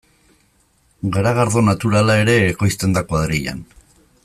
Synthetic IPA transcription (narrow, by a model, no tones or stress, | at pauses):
ɡeɾaɣ̞aɾðo̞nat̪uɾalae̞ɾe̞ːko̞jst̪e̞nd̪akoaðɾiʎa̰n